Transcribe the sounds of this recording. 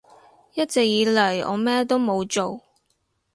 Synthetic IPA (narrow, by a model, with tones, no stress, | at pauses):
jɐ˥t̚t͡sɛ˨k̚jiː˨˧˥lɐ˨˩jɔ̰ː˨˧mɛː˥t̪o˥wmo˨˧wt͡ʃo˨w